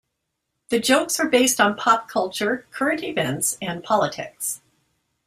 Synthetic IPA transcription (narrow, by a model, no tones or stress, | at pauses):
ðɨd͡ʒoʊksə˞beɪstn̩pʰɑp̚kʰʌlˠt͡ʃə˞kʰɜ˞ɨ̃ntɪvɛ̃ntsɨ̃npʰɑlˠətʰɪ̰ks